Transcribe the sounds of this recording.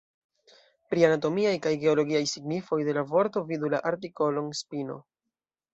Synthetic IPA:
pɾianat̬o̞miajkajɡe̞o̞lo̞ɡiajsiɡnifo̞jde̞lavo̞ɾto̞vidulaʔaɾt̬iko̞lo̞nspino̞̰

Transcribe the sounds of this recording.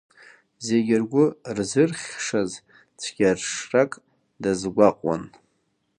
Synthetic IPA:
zeɡʲɪrɡʷʊrzɨrχʲʂaz | t͡sʰɡ̥ʲarʂrakʼ | dazɡʷaqʼwa̰n

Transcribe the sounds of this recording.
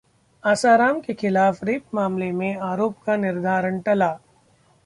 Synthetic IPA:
aːsaːɾaːmkexɪlaːfɾeːpmaːmlemẽaːɾoːpkanɪɾd̪ʱaːɾəɳʈɐlaː

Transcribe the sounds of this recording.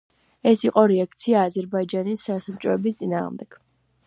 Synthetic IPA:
ɛsiqʼɔɾɛak̚t̪sʰiaːzɛɾbaid͡ʒanisasamt͡ʃʼɔɛbist̪sʼina̰ːʁmd̪ɛɡ̥

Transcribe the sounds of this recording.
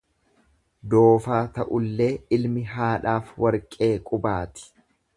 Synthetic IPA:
d̪o̞ːfaːt̪ɐʔʊlːe̞ːɪlmɪɦaːᶑaːfwɐɾkʼe̞ːkʼʊbaːt̪ɪ̥

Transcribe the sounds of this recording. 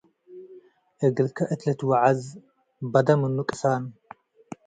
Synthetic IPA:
ʔɨɡɨlkʰɐʔɨt̪lɐt̪waʕaz | bɐd̪ɐmɨnːukʼɨ̥san

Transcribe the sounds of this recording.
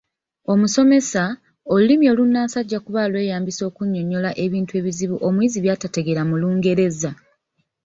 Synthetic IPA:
o̞muso̞me̞sa | olulimio̞ːlunːaːsaɟːakuβaːlwe̞ːjaːmbiso̞ːkuɲːo̞ɲo̞laʔe̞βiːntue̞ːβiziβuʔo̞mwiːziβjaːtate̞ɡe̞ɾamuluːŋɡe̞ɾe̞za

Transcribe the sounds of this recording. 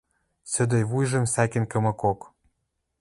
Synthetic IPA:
sɘ̆d̪ĕjβujʒə̆msækʲĕnkɤ̆mɤ̆kok

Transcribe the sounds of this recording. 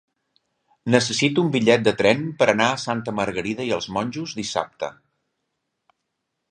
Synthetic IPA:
nəsəsit̪uumbiʎɛt̪̚d̪ət̪ɾɛmpəɾənaəsant̪əməɾɣəɾiðəiəlˠzmɔnʲʒuzd̪isa̰p̚t̪ə̰

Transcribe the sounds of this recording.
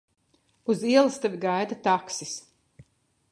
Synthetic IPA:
uziɛlˠast̪avʲiɡajd̪at̪aksis

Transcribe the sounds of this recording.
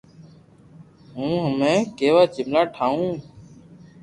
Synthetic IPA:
ɦũːɦəmẽːkeːʋaːt͡ʃɪblaːʈʰaːũː

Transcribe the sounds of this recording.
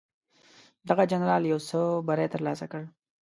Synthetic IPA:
d̪aɣad͡ʒanɾɑljawsəbaɾat̪əɾlɑsakəɽ

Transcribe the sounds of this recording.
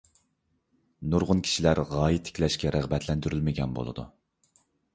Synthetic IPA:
nuɾʁʊnkʲʰi̥ʃilæɾʁɑːjit̪ʰːɪ̥kʲlɛʃkʲɛɾæʁbɛt̪ʰlɛnd̪yɾylmɪɡʲɛnbo̰lˠɨ̰d̪ṵ

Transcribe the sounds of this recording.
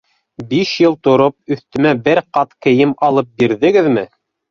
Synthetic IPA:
biʃjɤlˠt̪ŏɾop̚ɵ̆θt̪ɵ̆mæbɘɾqɑt̪kɘ̆jɘmɑlˠɤp̚biɾðɘ̆ɡɘðmɘ

